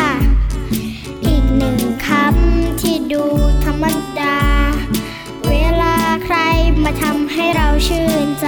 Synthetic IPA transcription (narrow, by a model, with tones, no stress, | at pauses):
ʔiː˨˩k̚nɯ˨˩ŋkʰa˧˥˩mt̪ʰiː˧˩duː˧t̪ʰa˧mːa˧˥daː˧ | weː˧˥˨laː˧kʰɾa˧jmaː˧t̪ʰa˧mɦa˥˩jɾa˧wt͡ɕʰɯː˧˩nt͡ɕ